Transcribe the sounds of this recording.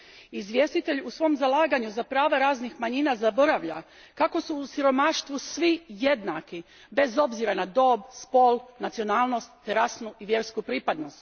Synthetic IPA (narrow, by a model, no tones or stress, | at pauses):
izʋʲje̞st̪it̪e̞ʎusʋo̞ːmzalˠaːɡaɲuzapɾaːʋaɾaːznixmaɲinazabo̞ɾaʋʎa̰ | kako̞suːsiɾo̞maʃt̪ʋusʋije̞d̪naki | be̞zo̞bziɾanad̪o̞ːbspo̞lˠnat̪sio̞naːlˠno̞st̪ːeɾasnuʔiʋje̞ɾskupɾipad̪no̞st̪